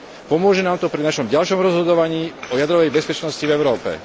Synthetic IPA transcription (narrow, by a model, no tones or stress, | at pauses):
pɔmʊɔʒɛnaːmt̪ɔpɾinaʃɔmɟalʃɔmɾɔzɦɔd̪ɔʋaɲiːɔjad̪ɾɔʋɛjbɛspɛt͡ʃnɔscivɛʊɾɔːpɛ̰